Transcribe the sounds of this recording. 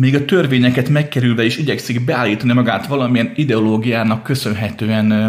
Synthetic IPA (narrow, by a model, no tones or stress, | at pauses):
meːɡɒt̪ø̞rveːɲɛkɛt̪mɛkːɛɾylvɛeːʃiɟɛksiɡbɛaːlːiːt̪ɒnimɒɡaːt̪ʋɒlɒmijɛnid̪ɛoloːɡijaːnɒkːøsø̞nɦɛt̪øːɛn